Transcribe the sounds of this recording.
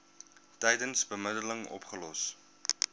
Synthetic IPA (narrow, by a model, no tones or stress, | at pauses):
tɛjdənsbəmədələŋɔ̰pχəlɔs